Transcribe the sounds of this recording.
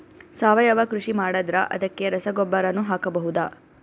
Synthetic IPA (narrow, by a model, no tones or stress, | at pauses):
saːʋɐjɐʋɐkɾuʂimaːɽɐd̪ɾɐʔɐ̰d̪ɐkːe̞ɾɐsɐɡɔbːɐɾɐnːuɦaːkɐbɐɦud̪aː